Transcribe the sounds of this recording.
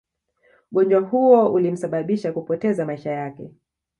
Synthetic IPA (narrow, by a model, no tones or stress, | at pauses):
ɠɔnd͡ʒwaɦuɔulim̩saɓaɓiʃakupɔtɛzamaiʃajakɛ